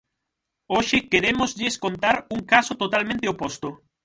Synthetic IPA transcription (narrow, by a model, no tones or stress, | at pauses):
oʃɪkeɾemʊzʎɪeskont̪aɾuŋkasʊt̪ot̪almẽnt̪eopost̪o